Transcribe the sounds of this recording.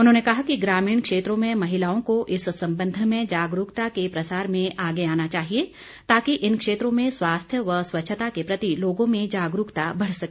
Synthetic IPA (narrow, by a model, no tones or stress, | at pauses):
ʊnɦõːnekɐɦakiɡɾaːmiːɳ̃kʃeːt̪ɾõmẽmɐɦɪlaːõkoʔɪssɐ̃mbə̃nd̪ʱmẽd͡ʒaːɡɾukt̪akepɾɐsaːɾmẽʔaːɡeaːnat͡ʃaːɦie | t̪aːkiʔɪnkʃeːt̪ɾõmẽswaːst̪ʰjəʋəswɐtːʃʰət̪akepɾɐt̪iloːɡõmẽd͡ʒaːɡɾukt̪abɐɽ̤sɐkː